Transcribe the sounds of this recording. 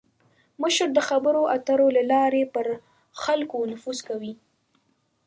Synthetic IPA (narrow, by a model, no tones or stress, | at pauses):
məʃɾd̪əxabəɾoʔat̪aɾolalɑɾepəɾ | xalkonʊfuzkawi